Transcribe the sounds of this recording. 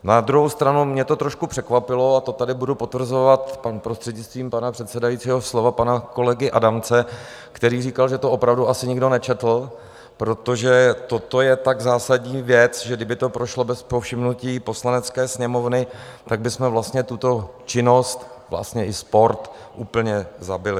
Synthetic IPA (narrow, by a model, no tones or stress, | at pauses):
nad̪ɾuɦowst̪ɾanumɲɛt̪o̞t̪ɾo̞ʃkupr̥ɛkvapɪlo̞at̪o̞t̪adɪbudupo̞t̪vr̩zo̞vat̪panpɾost̪r̥ɛdɲɪt͡st̪viːmpanapr̝̥ɛt̪sɛdajit͡siːɦo̞slo̞vapanako̞lɛɡɪʔadamt͡sɛ | kt̪ɛɾiːriːkalʒɛt̪oʔopɾavduʔasɪɲɪɡdo̞nɛt͡ʃɛt̪l̩ | pɾo̞t̪o̞ʒɛt̪o̞t̪o̞jɛt̪aɡzaːsaɟɲiːvjɛt͡sʒɛɡdɪbɪt̪o̞pɾo̞ʃlo̞bɛspofʃɪmnuciːpo̞slanɛt͡skɛːsɲɛmo̞vnɪt̪aɡ̚bɪsmɛvlast̪ɲɛt̪ut̪o̞t͡ʃɪno̞st̪vla̰st̪ɲɛʔɪspo̞ɾt̪ | ʔuːpl̩ɲɛzabɪlɪ